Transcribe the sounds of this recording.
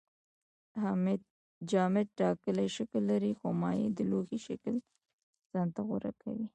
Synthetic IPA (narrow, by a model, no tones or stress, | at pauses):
m | d͡ʒɑmɪd̪̚ʈɑkəlaʃakəlːaɾixomɑjed̪əloxiʃakəl | z̥ɑnt̪aɣʊɾa̰kʰa̰wi